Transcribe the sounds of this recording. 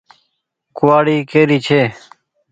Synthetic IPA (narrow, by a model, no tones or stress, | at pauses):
kʊwaːɽiːkeːɾiːt͡ʃʰeː